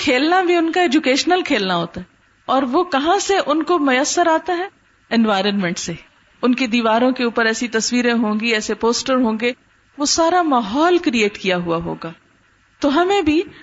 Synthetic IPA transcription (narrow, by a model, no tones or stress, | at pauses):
kʰeːlnabʱiʊnkaeːd͡ʒukeːʃnəlkʰeːlnaɦoːt̪aɦɛ | ɔːɾʋokɐɦãseʔʊnkomʊjəsːəɾaːt̪aɦɛ | ɛnʋaːɪɾənmɛ̃ɳʈse | ʊnked̪iːʋaːɾõkeuːpəɾɛːsit̪ɐsʋiːɾẽɦõːŋɡiɛːsepoːsʈəɾɦõːŋɡe | ʋosaːɾamaːɦɔːlkɾieːʈkijaɦuaɦo̰ːɡaː | t̪oɦɐmẽbʱi